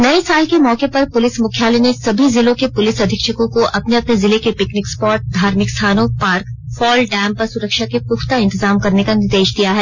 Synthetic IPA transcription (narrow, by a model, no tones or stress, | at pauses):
nɐesaːlkemɔːkepɐɾpʊlɪsmʊkʰjaːlenesɐbʱizɪlõkepʊlɪsɐd̪ʱɪkʃəkõkoʔɐpneɐpnezɪlekepɪknɪkspɔːɾʈ̚d̪ʱaːɾmɪkst̪ʰaːnõpaːɾkfɔːlɖɛ̃ːmpɐɾsʊɾəkʃakepʊxt̪aɪ̃nt̪ɪzaːmkɐɾnekanɪɾd̪eːʃd̪ijaɦɛː